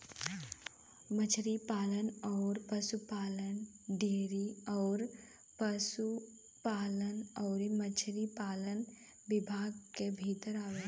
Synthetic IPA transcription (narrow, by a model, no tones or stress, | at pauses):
mət͡ʃʰɾipaːlənɔːɾpəsupaːlənɖeːɾiɔːɾ | pəsu | paːlənɔːɾmət͡ʃʰɾipaːlən | ʋɪbʱaːɡkebʱiːt̪əɾaːʋeː